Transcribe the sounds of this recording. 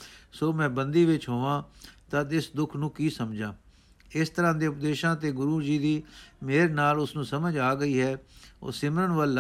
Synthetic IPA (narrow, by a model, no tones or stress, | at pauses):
soːmɛ̃ːbənd̪iːʋɪt͡ʃɦoːʋãːt̪ad̪ɪsd̪ʊkʰnũːkiːsəmd͡ʒãː | ɪst̪əɾãːd̪eːʊpd̪eːʃãːt̪eːɡʊɾuːd͡ʒiːd̪iːmeːɾnaːlʊsnũːsəməd͡ʒaːɡəiːɦɛːo̰ːsɪmɾənʋəl